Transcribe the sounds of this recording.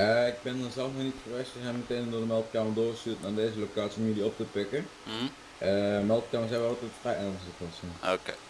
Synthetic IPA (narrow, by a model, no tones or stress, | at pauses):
əɪɡ̚bɪndɔnzɛlˠfnɔnitχəʋɛstəzɛjnməteːnəmdodəmɛlˠtkaːmədoːstyətnaːdeːzəlokaːtsiomjəlˠdiɔp̚təpɪkə | əmɛlˠtkaːməszɛjnʋɛlˠɑlˠtɛtfrɛjʔɛːɹənsɪtɔsɛnoke